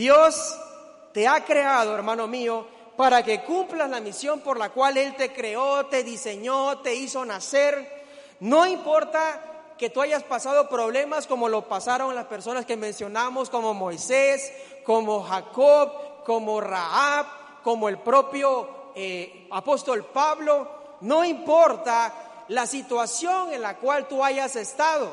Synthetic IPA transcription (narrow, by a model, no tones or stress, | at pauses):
d̪jos | t̪e̞akɾe̞að̞oeɾmãno̞mio | paɾake̞kumplaslamisjo̞mpo̞ɾlakwale̞lt̪e̞kɾe̞o̞t̪e̞ðise̞ɲot̪e̞iso̞nase̞ɾ | no̞impo̞ɾt̪a | ke̞t̪uaʝaspasað̞o̞pɾo̞βle̞masko̞mo̞lo̞pasaɾo̞ŋlaspe̞ɾso̞naske̞mẽ̞nsjo̞namosko̞mo̞mojses | ko̞moxakoβko̞moraaβ | ko̞moe̞lpɾo̞pjoe | apo̞st̪o̞lpaβlo | no̞impo̞ɾt̪a | lasit̪wasjo̞ŋe̞nlakwalt̪uaʝase̞st̪að̞o̞